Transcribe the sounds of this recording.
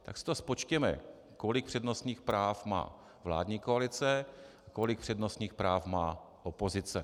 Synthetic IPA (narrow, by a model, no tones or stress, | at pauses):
t̪a̰ksɪ̥t̪ospo̞t͡ʃcɛmɛ̰ | kolɪkpr̥ɛdno̞st̪ɲiːxpɾaːfma̰ː | vla̰ːdɲiːkoalɪt͡sɛʔako̞lɪk̚pr̥ɛdno̞st̪ɲiːxpɾaːfmaː | ʔopo̞zɪt͡sɛ